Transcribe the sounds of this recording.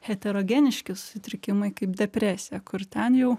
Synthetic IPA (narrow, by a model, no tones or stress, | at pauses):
hʲɛt̪ʲɛɾoːɡʲɛnʲɪʃʲkʲɪsʊ̥sʲɪt̪ʲɾʲɪkʲɪmɐɪkɐɪpd̪ʲɛpʲɾʲæːsʲɪjɛkʊɾt̪ʲɛnjɛʊ